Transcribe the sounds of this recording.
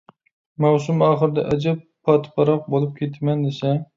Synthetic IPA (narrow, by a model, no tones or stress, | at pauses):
mawsʊmɑχɨɾd̪a̰ʔad͡ʒap | pʰːɑt̪pɑɾɑq̚bolˠɪp̚kʲʰet̪ʰmand̪esa